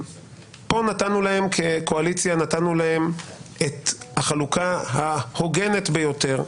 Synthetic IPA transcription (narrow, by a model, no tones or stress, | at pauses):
po̞natanulahe̞mkʰekoalit͡sjanatanulahe̞met̪haχalukahaho̞ɡe̞ne̞tbejo̞te̞ʁ